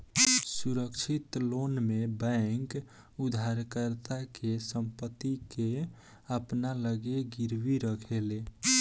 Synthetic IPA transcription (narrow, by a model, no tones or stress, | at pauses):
suɾəkt͡ʃʰit̪lonmebɛ̃ŋk | ud̪ʱaɾkəɾt̪akesəmpət̪ːike | əpnaləɡeɡiɾʋiɾəkʰele